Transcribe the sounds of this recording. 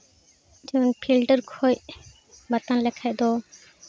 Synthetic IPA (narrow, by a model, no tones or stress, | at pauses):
d͡ʒɛɔnpʰilɖəɾkʰɔj | bat̪anlɛkʰajd̪ɔ